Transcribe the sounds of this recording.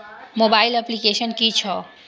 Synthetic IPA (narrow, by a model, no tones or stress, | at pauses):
mobailəplikeʃənkit͡ʃʰɔ